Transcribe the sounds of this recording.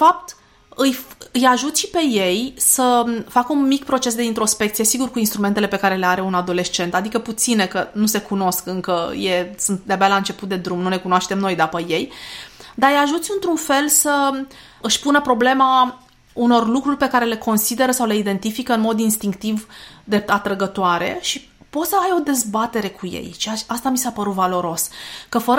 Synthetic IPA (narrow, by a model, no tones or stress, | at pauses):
fap̚t̪ | ɨjɨjaʒut̪sʲʃipe̞jejsəfakəunmikpɾo̞t͡ʃe̞s̬d̪eint̪ɾo̞spe̞kt̪sije̞siɡurkuinst̪ɾument̪ele̞pe̞kaɾe̞le̞aɾe̞unad̪o̞le̞ʃt͡ʃe̞nt̪ad̪ikəput̪sine̞kənuse̞kuno̞skɨŋkəje̞sɨnt̪̚d̪eabalaɨnt͡ʃe̞put̪̚d̪e̞d̪ɾumnune̞kunoaʃt̪e̞mno̞jd̪apəje̞jd̪ajaʒut̪sʲɨnt̪ɾunfe̞lsə | ɨʃpunəpɾo̞ble̞ma | uno̞rlukɾurʲpe̞kaɾe̞le̞ko̞nsid̪e̞ɾəsawle̞id̪e̞nt̪ifikəɨnmo̞d̪inst̪iŋkt̪ivd̪eat̪ɾəɡət̪oaɾe̞̰ʃi | po̞t̪səajo̞d̪e̞zbat̪e̞ɾe̞kʰujḛjʃiaast̪amisapəɾut̪valo̞ɾo̞skəfəɾ